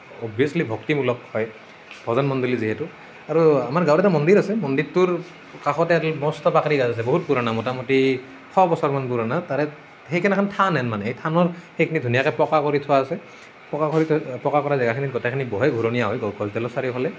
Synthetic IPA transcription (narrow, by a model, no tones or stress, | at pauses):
ɔbʱiɔslibʱɔktimulɔkhɔj | b̥ʱɔzɔnmɔndiliziɦɛtu | aɹuamaɹɡawɾɛtamɔndiɹasɛmɔnditːuɹ | kaxɔtɛtmɔstɔpakɹiɡazas̬ɛboɦut̚puɾanamɔtamɔti | kʰɔbɔsɔɹmanpuɹanataɹɛ | xejkʰɛnɛkʰantʰanɛnmanɛejtʰanɔɹxekʰinidʱunijakɛpɔkakoɹitʰʊwaːsɛ | pɔkakɔɹipɔkakɔɹazɛɡakʰinitɡɔtɛkʰinibɔɦɛɡʱuɹɔnijaɦɔjɡɔɡɔzdɛlɔsaɹipʰalɛ